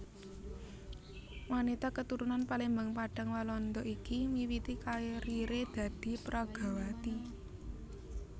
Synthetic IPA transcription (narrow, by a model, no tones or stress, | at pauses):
wanit̪akət̪uɾunanpalembaŋpaɖ̥a̤ŋwalɔnd̪ɔʔikimiwit̪ikaeɾiɾed̪̥ä̤d̪̥i̤pɾaɡ̥a̤wat̪i